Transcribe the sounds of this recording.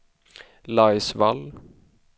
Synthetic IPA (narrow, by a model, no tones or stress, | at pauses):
lajsval